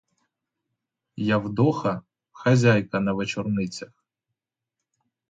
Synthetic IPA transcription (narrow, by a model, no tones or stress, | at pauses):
jawd̪ɔxɐ | xɐzʲajkɐnɐʋet͡ʃɔrnɪt͡sʲɐx